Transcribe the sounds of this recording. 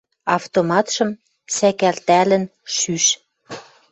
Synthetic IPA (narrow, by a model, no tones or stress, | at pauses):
ɑft̪omɑt̪ʃɤ̆m | sækælt̪ælə̆nʃyʃ